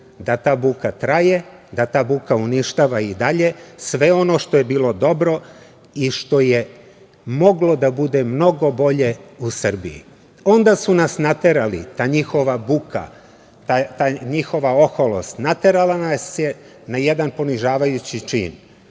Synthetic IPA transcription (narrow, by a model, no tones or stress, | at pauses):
d̪at̪aːbukat̪ɾaje̞d̪at̪aːbukauniʃt̪aːʋaid̪aʎe̞sʋe̞o̞no̞ʃt̪ojebiːlˠo̞d̪o̞bɾo̞ | iʃt̪o̞je | mo̞ɡlo̞d̪abud̪e̞mno̞ɡo̞bo̞ʎe̞usr̩bḭḭ | o̞nd̪asunasnat̪eɾalḭt̪aːɲixo̞ʋabukʰa̰ | t̪at̪aɲixo̞ʋao̞xolo̰st̪nat̪eɾalanasje | najed̪anpo̞niʒaːʋajut͡ɕit͡ʃḭːn